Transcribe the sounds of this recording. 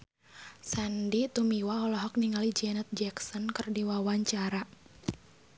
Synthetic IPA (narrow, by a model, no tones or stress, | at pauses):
sandit̪umiwaɔlɔɦɔk̚niŋalid͡ʒɛnat̪̚d͡ʒɛksɔnkərdiwawaɲt͡ʃaɾa